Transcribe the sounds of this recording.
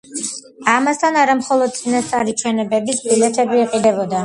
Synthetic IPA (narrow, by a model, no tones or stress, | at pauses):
amast̪ʰanaɾamχɔlˠɔd̪̚t̪sʼinast̪sʼaɾit͡ʃʰwɛnɛbɛbisbilɛt̪ʰɛbiːqʼid̪ɛbɔd̪a